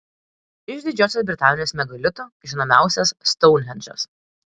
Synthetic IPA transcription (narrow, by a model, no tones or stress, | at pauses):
ɪʒd̪ʲɪd͡ʒʲoːsʲoːsbʲɾʲɪt̪ɑːnʲɪjoːsmʲɛɡɐlʲɪt̪oːʒʲɪnoːmʲæˑʊsʲɛsːt̪ɔʊnʲɦʲɛnʲt͡ʃo̰s